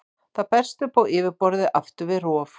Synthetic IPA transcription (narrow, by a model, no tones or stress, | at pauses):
θaðpɛr̥st̪ʏpawɪːvɪɾpɔɾðɪʔaft̪ʏvɪrɔːf